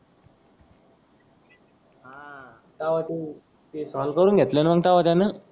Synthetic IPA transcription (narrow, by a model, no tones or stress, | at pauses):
ɦã | t̪aʋat̪e | t̪esɔlkəɾuːnɡʱet̪lenəməɡ̚t̪aʋat̪anə